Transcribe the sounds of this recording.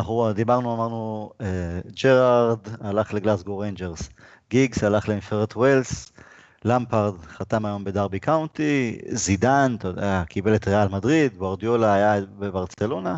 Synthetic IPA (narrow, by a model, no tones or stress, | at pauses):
naχud̪ibaʁnuamaʁnued͡ʒeʁaʁd̪alaχleɡlasɡoʁejnd͡ʒeʁs | ɡiɡsalaχleifeʁet̪wels | lampaʁd̪χat̪amajo̞mbe̞d̪aʁbikawnt̪izid̪ant̪od̪eakʰibe̞let̪ʁealmadʁid̪ɡwaʁd̪jo̞laːjabebaʁt͡se̞lo̞na